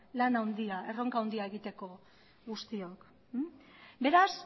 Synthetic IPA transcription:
lanawnd̪iae̞ro̞ŋkawnd̪iaeɣit̪e̞ko̞ | ɣust̪io̞k | be̞ɾas

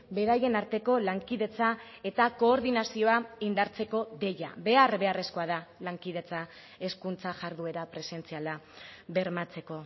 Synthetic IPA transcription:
be̞ɾaje̞naɾt̪e̞ko̞laŋkiðe̞t͡sa | e̞t̪ako̞ːɾðinasio̞aind̪aɾt͡se̞ko̞ðe̞ja̰βe̞arβe̞are̞sko̞aðalaŋkið̞e̞t͡sa | e̞skunt͡saʝaɾðue̞ɾapɾe̞se̞nt͡sialaβe̞ɾmat͡se̞ko̞

